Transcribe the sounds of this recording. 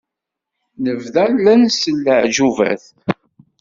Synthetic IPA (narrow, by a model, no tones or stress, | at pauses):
nəvðælænsəlːəʕʒuvæ̰θ